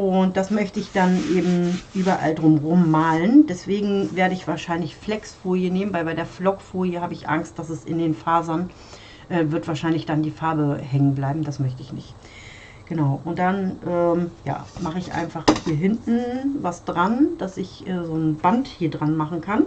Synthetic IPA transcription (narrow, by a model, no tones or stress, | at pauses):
ʔʊnt̚d̥asmœçtəɪçd̥anʔeːbm̩ʔyːbɐʔa̰ldʁʊmʁʊmːaːləndɛsv̥eːɡŋ̩veːɐɾəɪçv̥aːɐʃaɪnlɪçflɛksfoːjəneːmənvaɪlbaɪɾeːɐflɔkfoːɐjəhaːbəɪçʔa̰ŋst̚d̥asɛsɪ̰ndeːnfaːzɐn | ʔɛːvɪɐtv̥aːɐʃaɪnlɪçd̥andiːfaɐbəhɛŋənblaɪbm̩dasmœçtəɪçnɪ̰çt | ɡ̥ənaʊʔʊnt̚d̥anʔɛːmja̰ːmaχəɪçʔa̰ɪnfaχhiːɐɦɪntn̩vasd̥ʁand̥asɪçʔɛːzoːnb̥anthiːɐdʁanmaχn̩kʰan